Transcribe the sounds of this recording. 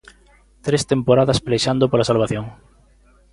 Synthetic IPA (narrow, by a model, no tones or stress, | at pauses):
t̪ɾest̪empoɾaðɐsplejʃand̪opolasalβaθjoŋ